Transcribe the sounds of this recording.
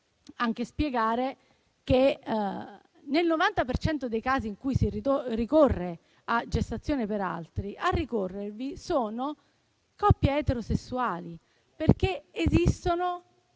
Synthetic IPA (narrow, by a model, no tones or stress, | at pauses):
aŋk̟espjeɡaːɾe | ke | nelnovant̪apert͡ʃɛnt̪od̪ejkaːziːŋkujsiiorikorːe | ad͡ʒest̪at̪sːjoːnepeɾa̰lt̪ɾiʔarːikorːervisoːno | kɔpːjaɛt̪eɾosesːuaːli | perkeezist̪ono